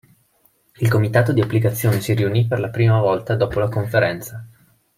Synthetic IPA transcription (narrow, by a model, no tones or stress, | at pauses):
ilkomit̪aːt̪od̪iapːlikat̪sːjoːnesiɾiunipːerlapɾiːmavɔlt̪ad̪ɔːpolakoɱfeɾɛnt̪sa